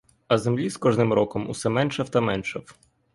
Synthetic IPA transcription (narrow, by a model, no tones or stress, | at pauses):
ɐzemlʲiskɔʒnɪmɾɔkɔmʊ̰sɛmɛnʃɐwt̪ɐmɛnʃɐw